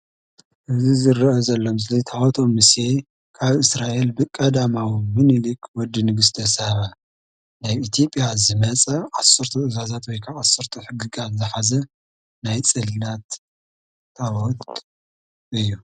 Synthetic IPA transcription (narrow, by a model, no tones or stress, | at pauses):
ʔɨzizɨrʔozɐlːomslit̪ʰat̪ʰomːɨsje̞ | kʰaβɨsɾaʔe̞lbɨkʼɐd̪amawmɨnɨlikʰwɔd̪ːinɨɡɨst̪ʰɐsɐβa | naβit̪ʰjo̞pʼijazɨmɐt͡sʼɐʕasːɨɾt̪ʰuɨzazat̪wɔjkʰaʕasɨɾt̪ʰuħɨɡɨɡat̪zɨħazɐ | najt͡sʼɨlnat̪ʰː | awɔt̪ʼ | ɨjːu